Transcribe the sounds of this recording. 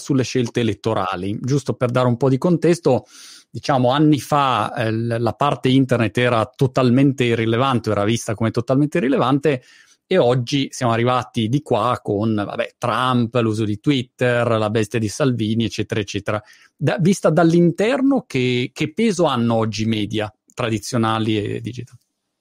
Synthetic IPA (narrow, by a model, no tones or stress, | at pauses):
sulːeʃelt̪eːlet̪ːoɾa̰ːlid͡ʒust̪operd̪aːɾeumpɔd̪ikont̪ɛst̪od̪it͡ʃaːmoanːifa | lapart̪eint̪ernet̪ːɛːɾat̪ot̪alment̪erilevant̪eoɛːɾavist̪akomet̪ot̪alment̪eɾilevant̪e | eɔd͡ʒːisjaːmoarːivaːt̪id̪ikwakːonva̰bɛ̰t̪ɾampluːzod̪it̪wit̪ːerlabɛst̪jad̪isalviːniet͡ʃːɛːt̪eɾaet͡ʃːɛːt̪eɾa | d̪avist̪ad̪alːint̪ɛrnokek̟epːeːzoanːoɔd͡ʒːimɛːd̪ja | t̪ɾad̪it̪sːjonaːliḛd̪id͡ʒit̪a